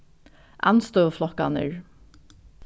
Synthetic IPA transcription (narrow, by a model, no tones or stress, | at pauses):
ʔa̰nst̪œflɔka̰nə̰ɹ